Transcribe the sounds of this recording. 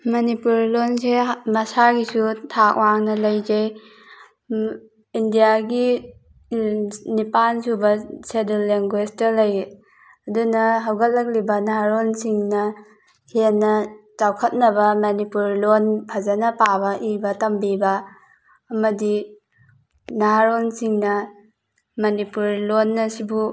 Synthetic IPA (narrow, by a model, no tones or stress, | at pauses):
mɐnipuɾlonsemɐsaɡisutʰak̚waŋnɐlɐjzej | indijaɡi | nipansubɐsedelːeŋɡwestɐlɐj | ɐdunɐɦɐwɡɐt̚lɐk̚libɐnaɦaɾonsiŋnɐ | henːɐt͡ʃawkʰɐt̚nɐbɐmɐnipuɾlonpʰazɐnɐpabɐʔibɐtɐmbibɐː | mɐdi | naɦaɾonsiŋnɐ | mɐnipuɾlonːɐsibu